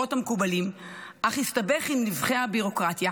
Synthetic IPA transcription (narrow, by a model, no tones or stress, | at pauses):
o̞thamekubalim | ʔaχistabe̞χimnivχeabiʁo̞kʁatja